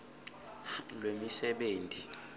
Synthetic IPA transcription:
lwemisɛɓeːntʼi

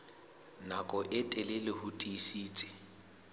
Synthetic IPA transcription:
nakʼɔʔɪtʼɛlɛlɪhʊtʼisiːt͡sʼɪ̥

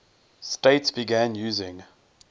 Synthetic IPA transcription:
steɪtsb̥iɡæ̃njuːzɪ̃ŋ

